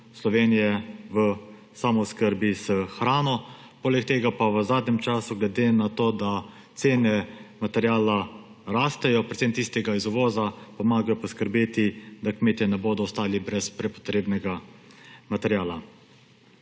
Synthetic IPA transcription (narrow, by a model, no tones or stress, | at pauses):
slɔʋeːnijɛʋə | saːmɔskəɾbiz̥əxɾaːnɔ | poːlɛkt̪eːɡapaʋəzaːd̪nʲɛmt͡ʃaːsuɡlɛd̪enat̪oːd̪a | t̪seːnɛmat̪ɛɾjaːla | ɾaːst̪ɛjɔpɾet̪semt̪ist̪ɛɡaizuʋɔːzapɔmaːɡajɔpɔskəɾbeːt̪id̪akmeːt̪jinɛboːd̪ɔɔst̪aːlibɾɛspɾɛpɔ̥t̪ɾeːbnɛɡa | mat̪ɛɾjaːla